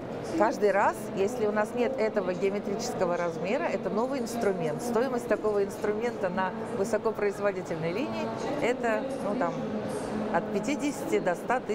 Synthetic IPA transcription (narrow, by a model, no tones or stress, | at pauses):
kaʐd̪ɨjɾasjesʲlʲɪʊnasnʲe̞t̪ɛt̪əvəɡʲɪəmʲɪt̪ɾʲit͡ɕɪ̥skəvəɾɐzmʲe̞ɾəɛt̪əno̞vɨjɪnst̪ɾʊmʲe̞nt̪st̪o̞jɪməsʲt̚ʲt̪ɐko̞vəɪnst̪ɾʊmʲe̞nt̪ənə | vɨsɐkopɾəɪzvɐdʲitʲɪlʲnəjlʲinʲɪɪɛt̪ənut̪am | ɐt̪̚pʲɪtʲidʲɪsʲɪ̥tʲɪd̪ɐst̪at̪ɨ